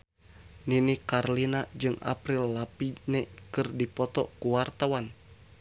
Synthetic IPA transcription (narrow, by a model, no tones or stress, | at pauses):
ninikarlinad͡ʒɨŋa̰pɾilːapinɛkɨrdipɔt̪ɔkuwart̪awan